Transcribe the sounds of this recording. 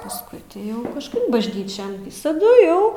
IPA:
pɐsˈkʊɪ tʲɪ ˈjɛʊ kɐʃˈkɐɪp bɐʒʲˈnʲiːt͡ʃʲɛn ʋʲɪsɐˈdʊ ˈjɛʊ

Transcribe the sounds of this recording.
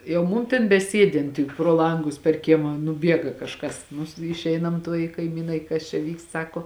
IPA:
jɛʊ ˈmʊm tʲeːn bʲɛˈsʲiɛdʲɪnt tʲɪk proː ˈlˠɐŋɡʊs pʲɛr ˈkʲiɛmɐ nʊˈbʲiɛɡɐ kɐʃˈkɐs nʊs ɪʃʲˈɛɪnɐm ˈtuɔj ɪ kɐɪˈmʲiːnɐɪ kɐs t͡ʃʲɛ ˈʋʲiːkst ˈsɑːkoː

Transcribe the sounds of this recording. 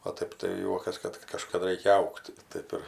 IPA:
oː ˈtɐɪp tɐɪ ˈjuɔkɐs ˈkɐt kɐt kɐʃkɐˈdɐ ˈrɐɪkʲɛ ˈɐʊktʲ ˈtɐɪp ɪr

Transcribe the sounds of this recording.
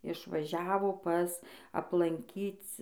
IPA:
ɪʃʋɐˈʒʲæːʋoː ˈpɐs ɐplˠɐŋʲˈkʲiːt͡s

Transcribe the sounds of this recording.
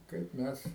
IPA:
kɐɪp ˈmʲɛs

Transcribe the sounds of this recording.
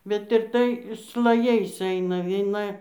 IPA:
bʲɛt ɪr ˈtɐɪ slˠɐˈjɛɪs ˈɐɪnɐ ʋʲiɛˈnɐ

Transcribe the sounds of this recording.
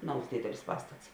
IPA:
ˈnɐʊs ˈdʲeːdʲɛlʲɪs ˈpɑːstɐts

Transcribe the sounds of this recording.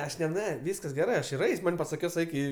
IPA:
ɐʃ nʲɛ ˈnʲɛ ˈʋʲiːskɐs ɡʲɛˈrɜ ˈɐʃ ɪr ˈɛɪsʲ ˈmɐnʲ pɐsɐˈkʲɪs ˈɛɪk ɪ

